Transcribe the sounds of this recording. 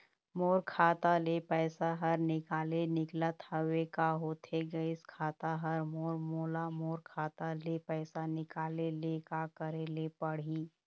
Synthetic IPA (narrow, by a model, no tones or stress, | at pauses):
moːɾkʰaːt̪alepɛːsaɦɐɾnɪkaːlenɪklət̪ɐwekaɦoːt̪ʰeɡəɪskʰaːt̪aɦɐɾmoːɾmoːlamoːɾkʰaːt̪alepɛːsanɪkaːlelekakɐɾelepɐɽ̤iː